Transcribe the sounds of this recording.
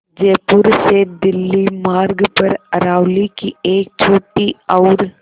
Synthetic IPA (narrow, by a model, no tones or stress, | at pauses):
d͡ʒeːpʊɾsed̪ɪlːimaːɾɡpɐɾɐɾaːwlikieːk̚t͡ʃʰoːʈːiɔːɾ